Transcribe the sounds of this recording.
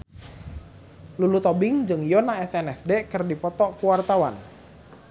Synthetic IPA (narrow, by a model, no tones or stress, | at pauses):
lulut̪ɔbɪŋd͡ʒɨŋjɔnaɛsɛnɛsdekərdipɔt̪ɔkuwart̪awan